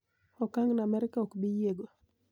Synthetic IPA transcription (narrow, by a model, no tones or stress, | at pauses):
ɔkaŋnamɛɾɪkaokbijeɡo